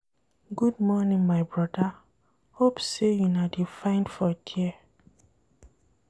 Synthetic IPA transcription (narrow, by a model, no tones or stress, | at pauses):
ɡud̚mɔnĩŋmaɪbɹɔda | hopsejunadifãɪ̃ndfɔtʰi